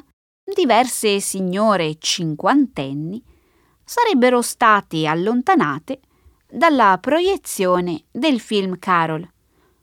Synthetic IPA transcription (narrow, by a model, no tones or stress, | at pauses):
d̪ivɛrsesiɲːoːɾet͡ʃiŋkwant̪ɛnːi | saɾɛbːeɾost̪aːt̪ialːont̪anaːt̪e | d̪alːapɾojet̪sːjoːned̪elfilmkʰaːɾol